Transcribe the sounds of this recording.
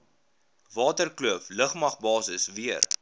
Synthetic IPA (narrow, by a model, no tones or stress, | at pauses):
vɑːtərkluəfləχmɐχbɑːsəsviər